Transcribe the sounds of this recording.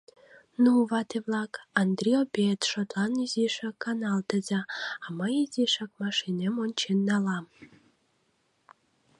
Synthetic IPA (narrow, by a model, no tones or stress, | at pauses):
nuβɑt̪eβlɑkɑnd̪rʲiobet̪ʃot̪lɑnyzeʃɑkːɑnɑlt̪əzɑɑməjizeʃɑk̚mɑʃinemonʲt͡ɕenːɑlɑm